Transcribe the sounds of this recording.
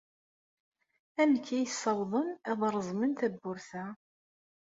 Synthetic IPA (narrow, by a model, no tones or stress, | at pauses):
æmkːæjəsːɑwðˤənæðˤɾˤəzˤmənt̪æbːʊɾθæ